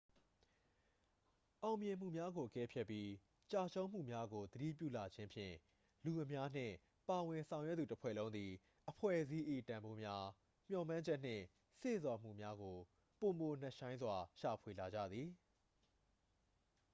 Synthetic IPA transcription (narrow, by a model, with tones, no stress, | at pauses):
ʔã˨ʊ̃mjɪ̃˨m̥ṵ˦˨mja˦ɡo˨ʔəkɛ˦pʰjɛ˦pːji˦ | t͡ɕa˦˨t͡ɕʰo˦ʊ̃m̥ṵ˦˨mja˦ɡo˨d̪əɾḭ˦˨p̬jṵ˦˨la˨d͡ʑɪ̃˦mpʰjɪ̰̃˦˨ | lu˨ʔəmja˦n̥ɪ̰̃˦˨ | pa˨wɪ̃˨nsʰã˨ʊ̃jwɛ˦t̪u˨təpʰwɛ̰˦˨lõ˦ʊ̃nd̪ði˨ | ʔəpʰwɛ̰˦˨ʔzi˦ʔḭ˦˨tã˨mbo˦mja˦ | m̥jɔ˨mã˦ɲd͡ʑɛ˦ʔn̥ɪ̰̃˦˨ | sḛ˦˨zwa˨m̥ṵ˦˨mja˦ɡo˨ | po˨mo˨n̥ɛ˦ʔʃã˦ɪ̃nzwa˨ʃa˨pʰwe˨la˨d͡ʑä̰˦˨d̪ði˨